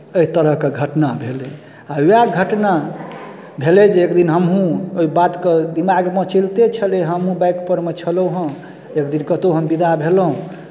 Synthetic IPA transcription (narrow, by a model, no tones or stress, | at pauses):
əit̪əɾəɦkeɡʱəʈnabʱele | auaɡʱəʈna | bʱeled͡ʒeekd̪inɦəmɦũoibat̪ked̪imaɡmet͡ʃilt̪et͡ʃʰəleɦəmɦũbajkpəɾmet͡ʃʰələwɦə̃ | ekd̪inkət̪oɦəmbid̪ʱabʱelɦũ